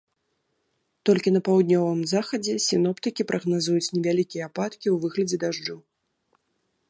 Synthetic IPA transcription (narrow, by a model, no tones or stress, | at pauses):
t̪ɔlʲkʲinɐpawd̪̚ʲnʲɔvɨmzaxɐd͡zʲɛsʲinɔpt̪ɨkʲipɾʔɐɣnazujut͡sʲnʲɛvʲalʲikʲijɐapat̪kʲiwvɨɣlʲɐd͡zʲɛd̪aʐd͡ʐɨ